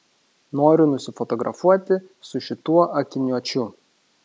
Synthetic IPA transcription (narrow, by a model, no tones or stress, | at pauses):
noːɾʲʊnʊsʲɪfɔt̪ɔɡɾʔɐ̰fuɔt̪ʲɪ | sʊʃʲɪt̪uɔʔɐkʲɪnʲuɔt͡ʃʲʊ